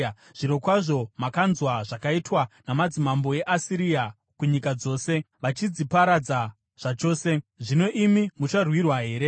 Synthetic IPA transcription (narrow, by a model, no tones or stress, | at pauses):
ʐ̥iɾo̞kwaʐo̞makanzwaʐakaitwanamad͡zimambo̞e̞ʔasiɾia | kuɲikad͡zo̞ːse̞ | ʋat͡ʃid͡zipaɾad͡za | ʐ̥at͡ʃo̞ːse̞ʐino̞ʔimimut͡ʃarwirwaɦe̞ːɾe̞